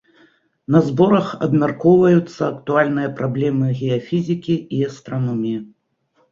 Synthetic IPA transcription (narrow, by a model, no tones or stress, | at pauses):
nɐzbɔɾɐxɐ̰bmʲarkɔwvɐjut̪sːɐɐkt̪ualʲn̪ɨjɐpɾablʲɛmɨɣʲɛafʲizʲikʲiiɛst̪ɾanɔmʲiji